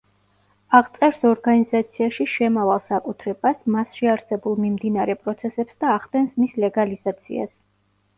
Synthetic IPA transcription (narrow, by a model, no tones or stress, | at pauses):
aʁt̪sʼɛɾsɔɾɡanizat̪sʰiaʃiʃɛmavalˠsakʼut̪ʰɾɛb̥asmasʃiaɾsɛbulˠmimd̪inaɾɛpʼɾɔt̪sʰɛsɛpsd̪aːʁd̪ɛnsmislɛɡalizat̪sʰḭa̰s